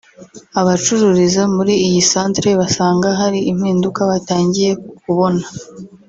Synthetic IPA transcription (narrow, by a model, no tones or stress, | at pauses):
aβat͡ʃuɾuɾizamuɾiijisaːntɾe̞βasaːŋɡaɦaɾiʔim̥hiːndukaβataːɲɟije̞kuβo̞na